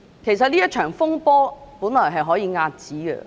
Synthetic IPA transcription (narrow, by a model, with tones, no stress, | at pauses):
kʰe˨˩js̬ɐ˨t̚liː˥jɐ˥t̚t͡ʃʰœː˨˩ŋfʊ˥ŋpɔː˥puː˨˥nlɔː˨˩jɦɐ˨jɦɔː˨˥jiː˨˧ŋaː˧t̚t͡siː˨˥ɡə̰˧